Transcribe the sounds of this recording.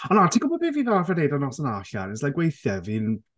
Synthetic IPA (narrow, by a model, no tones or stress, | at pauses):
ɔnatʰiɡɔbɔbeːviːðɔvadejdanɔsənaɬa̰nɛslajɡwejθjɛvin